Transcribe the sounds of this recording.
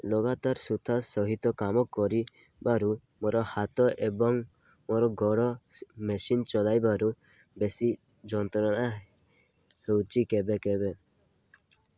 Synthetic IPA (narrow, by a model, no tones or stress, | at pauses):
lɔɡat̪aɾsut̪ʰasɔɦit̪ɔkamɔkːɔɾi | baɾu | moɾɔhat̪ɔʔebɔŋ | moɾɔɡɔɽɔmesint͡ʃɔlajbaɾu | besi | d͡ʒɔnt̪ɔnana | hewt͡ʃikebekebe